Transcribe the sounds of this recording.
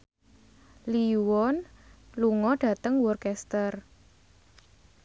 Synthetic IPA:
liwɔnluŋɔɖ̥ä̤t̪əŋwɔrkɛst̪ər

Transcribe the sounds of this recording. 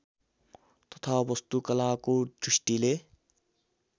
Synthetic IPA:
t̪ʌt̪ʰabʌst̪ukʌlakod̪ɾisʈile

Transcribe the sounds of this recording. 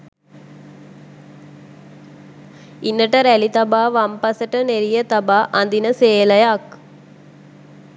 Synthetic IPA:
inːəʈəɾælit̪abaːʋampasəʈəneɾijət̪abaːʔand̪inəseːləjak

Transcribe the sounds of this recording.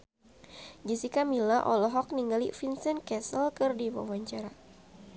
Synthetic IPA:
d͡ʒisikamilaʔɔlɔɦɔk̚niŋɡalḭfinsənkɛsəlkɨrdiwa̰waɲt͡ʃaɾa

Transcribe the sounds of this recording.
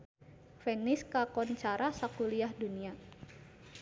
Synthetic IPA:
fɛnɪskakɔnt͡ʃaɾasakuliahdunia

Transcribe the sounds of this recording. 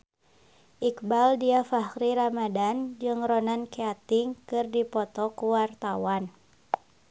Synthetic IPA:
ʔikbaldiafahɾiɾamadand͡ʒɨŋrɔnankeat̪iŋkɨrdipɔt̪ɔkuwart̪awan

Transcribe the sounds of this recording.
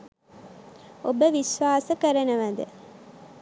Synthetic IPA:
obəʋisʋaːsəkɐɾɐnɐʋɐd̪ə

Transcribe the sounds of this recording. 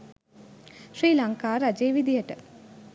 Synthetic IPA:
ʃɾiːlaŋkaːɾad͡ʒeːʋid̪ijəʈə

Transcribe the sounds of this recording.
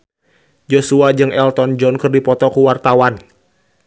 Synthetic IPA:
d͡ʒosuad͡ʒɨŋʔɛlt̪ɔnd͡ʒɔnkɨrdipɔt̪ɔkuwart̪awan

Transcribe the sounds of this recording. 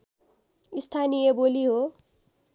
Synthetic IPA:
ist̪ʰanijeboliɦo

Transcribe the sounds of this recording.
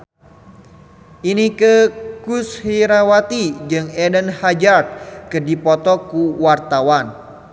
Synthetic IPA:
ʔinikəkushiɾawat̪id͡ʒɨŋɛdənhad͡ʒart̪̚kədipɔt̪ɔkuwart̪awan

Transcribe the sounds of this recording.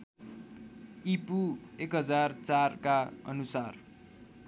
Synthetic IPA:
ipuekɦʌd͡zart͡sarkaʌ̰nusar

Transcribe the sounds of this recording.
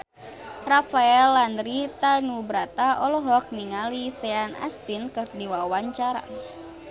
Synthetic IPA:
rafaɛlːand̪ɾit̪anubɾat̪aʔɔlɔɦɔk̚niŋalisɛana̰st̪inkɨrdiwawaɲt͡ʃaɾa̰

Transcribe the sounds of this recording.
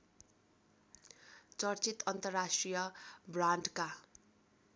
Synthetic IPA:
t͡sʌrt͡sit̪ʌnt̪ʌrːasʈrijʌbraɳɖka

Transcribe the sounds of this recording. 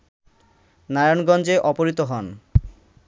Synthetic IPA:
naɾanɡɔnd͡ʑeʔɔpoɾit̪oɦɔn

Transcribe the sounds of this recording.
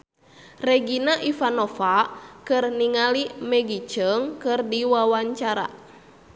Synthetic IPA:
rɛɡinaʔifanofakɨrniŋalimɛɡit͡ʃəŋkɨrdiwawaɲt͡ʃaɾa̰

